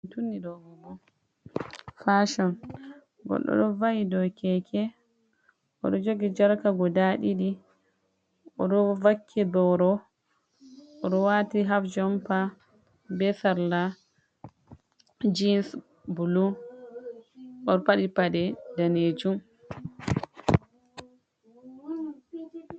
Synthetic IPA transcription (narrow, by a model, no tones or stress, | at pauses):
tunːidɔɡɔbɔ | faʃɔn | ɡɔ̰ɗːɔ̰ɗɔvajidɔkɛkʰɛ | ʔɔ̰ɗɔd͡ʒoɡid͡ʒaɾkaɡɔdaɗiɗi | ɔɗɔvakʰːidɔɾɔ | ɔɗɔwatiɦafd͡ʒɔmpa | bɛsaɾla | d͡ʒins | bulu | ʔɔɾpaɗipadɛdaned͡ʒum